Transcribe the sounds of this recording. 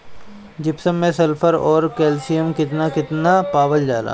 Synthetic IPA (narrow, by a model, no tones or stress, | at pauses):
d͡ʒɪpsəmːẽsɐlpʰəɾɔːɾkɛːlsijəmkɪt̪nakɪt̪napaːbəld͡ʒaːla̰ː